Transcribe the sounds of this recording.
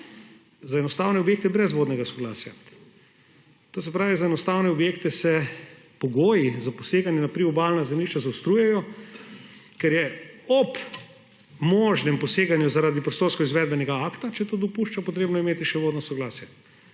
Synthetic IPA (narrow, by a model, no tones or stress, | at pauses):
zaɛnɔst̪aːwnɛobjeːk̚t̪ɛbɾɛzʋoːd̪nɛɡasɔɡla̰ːsja | t̪oːsɛpɾaːʋizaɛnɔst̪aːwnɛɔbjeːkt̪ɛsɛ | pɔɡoːjizaposeːɡanjɛnapɾiɔbalnazɛmliʃt͡ʃazawst̪ɾuːjɛjɔ | kɛɾjɛɔp | mɔʒnɛmpɔseːɡanjuzaɾaːd̪ipɾɛst̪oːɾskɔizʋɛːd̪̚bɛnɛɡaaːkt̪at͡ʃɛt̪oːd̪ɔpuʃt͡ʃapɔt̪ɾeːbnɔimeːt̪iʃɛʋoːd̪nɔsɔɡlaːsja